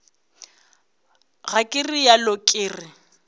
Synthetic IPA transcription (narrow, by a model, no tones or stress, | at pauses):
ɣakʼɪrijalʊkʼɪːrɪ